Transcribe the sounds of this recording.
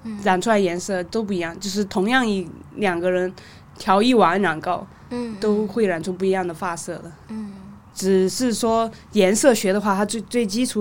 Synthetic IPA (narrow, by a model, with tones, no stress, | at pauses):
ɻa˨˩nʈ͡ʂʰwjɛ˧˥nsɤ˥˩t̪o˥ʊp̬u˥˩i˧˥jɑ˥˧ŋt͡ɕjo˥˧ʊʂ̬ɻ̩˥˩t̪ʰʊ˧˥ŋjɑ˥˩ŋi˧˩ljɑ˨˩ŋɡə˧ɻə˧˥n | t̪ʰjɑ˧˥ʊi˥˩wa˨˩˧nɻa˨˩ŋkɑ˥˧ʊ | t̪o˥ʊxwe˥˩ɪɻa˨˩nʈ͡ʂʰʊ˥ŋpu˥˩i˧jɑ˥˩ŋd̪ə˩fa˥˧sɤ˥˩d̪ə˩ | ʈ͡ʂɻ̩˨˩ʂɻ̩˥˩ʂwɔ˥ | jɛ˧˥nsɤ˥˩ɕɥɛ˧˥d̪ə˧xwa˥˩t̪ʰa˥t͡swe˥˧ɪt͡swe˥˩ɪt͡ɕi˥ʈ͡ʂʰu˨˧˥